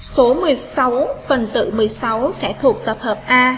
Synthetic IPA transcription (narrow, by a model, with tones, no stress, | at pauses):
so˨˦mɨ˨˩əjjsa˨˦wfə˨˩nt̪ɨ̰˧˨mɨ˨˩əjsa˨˦wsɛ̰˧˥t̪ʰu˨˩ək̚t̪ə˨˩p̚həː˨˩p̚ʔaː˧